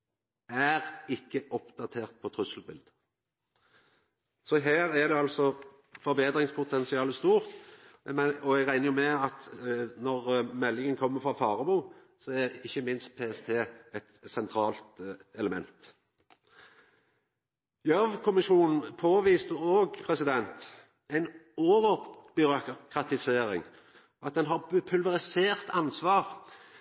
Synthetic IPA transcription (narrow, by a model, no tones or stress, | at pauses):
æʁɪkːəʔɔpd̪ɑt̪ʰeːʁt̪̚pʰɔt̪ʰʁʉsəl̩bɪld̪ə | sɔɦæːʁæd̪ɛɑlsɔ | fɔɾbeːd̪ʁɪŋspʰʊt̪ʰɛnsɪɑːləst̪uːʁt̪ | ɔæɡʁæɪnəjʊmɛɑt̪nɔʁmɛlːɪŋənkʰɔmːəfʁɑfɑːʁɑbuː | sɔæɪçːəmɪnst̪̚pʰeːɛst̪ʰeːɛt̪sɛnt̪ʰɾɑːlt̪ɛləmɛ̰nt̪ | jœʋkʰʊmɪʃuːnn̩pʰoːʋiːst̪əoːɡpʰɾɛsɪd̪ɛnt̪ | æɪnoːʋəɾbʏɾʊkʰʁɑt̪ɪseːɾɪŋ | ʔɑt̪̚d̪ɛnɦɑʁpʰʉlʋɛʁɪseːʁt̪ʰɑnsʋɑːʁ